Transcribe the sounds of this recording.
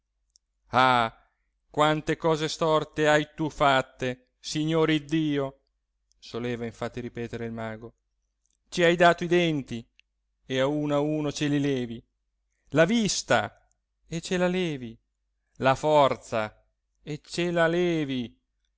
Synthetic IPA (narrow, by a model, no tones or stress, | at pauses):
a | kwant̪ekɔːzest̪ɔrt̪eajt̪ufat̪ːe | siɲːoːɾid̪ːiːo | soleːvaiɱfat̪ːiɾipɛːt̪eɾeilmaːɡo | t͡ʃiajd̪aːt̪oid̪ɛnt̪i | eauːnauːnot͡ʃelilɛːvi | lavist̪a̰ | et͡ʃːelalɛːvi | lafɔrt̪sa | et͡ʃːelalɛːvi